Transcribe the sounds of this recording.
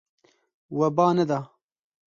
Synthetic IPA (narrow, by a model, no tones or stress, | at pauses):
wɐbaːnɐd̪aː